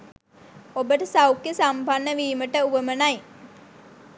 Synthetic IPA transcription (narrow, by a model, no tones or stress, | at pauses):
obəʈəsawkjəsambʱanːəʋiːməʈəuʋəmənaj